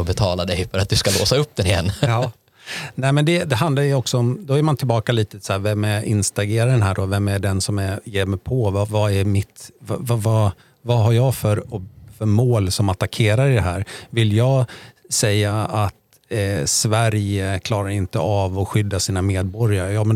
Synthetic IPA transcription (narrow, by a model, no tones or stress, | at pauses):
ɔbɛt̪ʰɑːlad̪ɛjfœɾat̪̚d̪ɵskalo̰ːsaɵp̚ːd̪ɛnɪjɛ̰nː | nɛːmɛnd̪ɛd̪ɛɦand̪laɾjɵɔksɔɔmd̪ɔæɾmant̪ʰɪlbɑːkaliːt̪əsæːɾvɛmːæʔɪ̰nst̪aɡeːɾaɖɛnɦæːɖɔvɛmːæɖɛnsɔmæjeːɾmɛjpʰɔvavaæɾmɪt̪vavava | vaɦaɾjɑːɡfœɾɔfœɾmoːlsɔmat̪akʰeːɾaɾɪd̪ɛɦæ̰ːɾvɪljɑːɡ | sɛjːaat̪ | svæɾjəkʰlɑːɾaɾɪnt̪ə̰ʔavɔɧʏd̪ːasiːnameːd̪̚bɔɾjaɾəjɑːmɛn